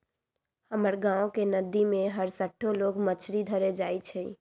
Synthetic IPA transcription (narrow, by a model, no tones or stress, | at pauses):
həməɾɡãokenəd̪imẽɦəɾsəʈʰːoloɡmət͡ʃʰɾid̪ʱəɾed͡ʒait͡ʃʰɛ